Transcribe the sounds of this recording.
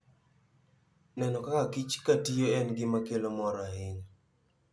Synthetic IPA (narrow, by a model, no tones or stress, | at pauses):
nɛnɔkakakit͡ʃkatijoɛnɡɪmakelomɔɾaɦɪɲ